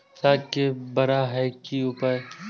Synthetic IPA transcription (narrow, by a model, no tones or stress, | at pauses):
saːkebɐɾaɦɛkiʊpə